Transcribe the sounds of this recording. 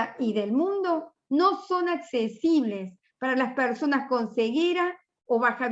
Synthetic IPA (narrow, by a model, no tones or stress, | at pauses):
iðelmũnd̪o̞ | no̞so̞naksesiβle̞s | paɾalaspeɾso̞nasko̞nseɣeɾa | oβaxa